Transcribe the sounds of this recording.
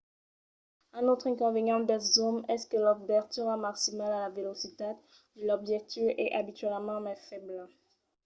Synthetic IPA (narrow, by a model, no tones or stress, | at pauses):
ɛ̃not̪χɛ̃kɔ̃veɲɑ̃d̪ɛzɔmɛskəlɔbɛʁt̪yʁamaksimalalavelosit̪a | lɔbʒɛt̪øʔɛʔabit̪ɥɛlmɑ̃mɛfɛbl